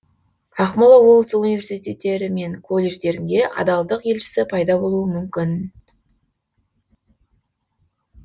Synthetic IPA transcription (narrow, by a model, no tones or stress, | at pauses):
ɑqmolˠɑwolˠt̪sunivʲe̞rsijt̪e̞t̪ːe̞ɾɪme̞ŋkʰo̞lʲːe̞ʒd̪e̞ɾɪnd̪e̞ʔɑ̰d̪ɑlˠd̪əqje̞lʃɪ̥sɪpʰɑjd̪ɑbo̞lˠuəmʏmkʲɪn